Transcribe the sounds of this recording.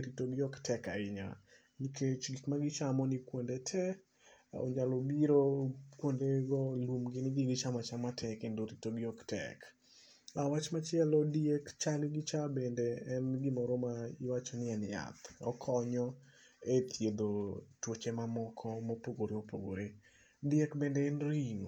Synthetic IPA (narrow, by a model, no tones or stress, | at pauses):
ɾitoɡɪɔktʰɛka̰ɪɲa̰ | nikʰet͡ʃɡikmaɡɪt͡ʃamɔnɪkwondetʰɛ | ɔ̰ɲalobiɾokwondeɡɔlumɡɪnɪɡɪɡɪt͡ʃamat͡ʃamatʰɛkendoɾitoɡɪɔktʰɛ̰k | awat͡ʃmat͡ʃɪɛlɔdiekt͡ʃalɪɡɪt͡ʃabendeɛnɡɪmɔɾɔmaiwat͡ʃɔnɪɛnja̰t̪ɔ̰kʰɔɲɔ | et̪ʰjed̪otwot͡ʃemamɔkʰɔmopoɡoɾeopoɡo̰ɾe | diekbendɛɛnɾiŋo